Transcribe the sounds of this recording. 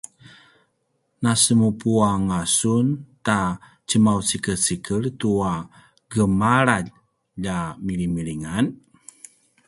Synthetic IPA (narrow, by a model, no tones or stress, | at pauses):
nasəmupuaŋasunta | t͡ɕəmawsikəsikərtua | ɡəmaɾaʎ | ʎamiɾimiɾiŋan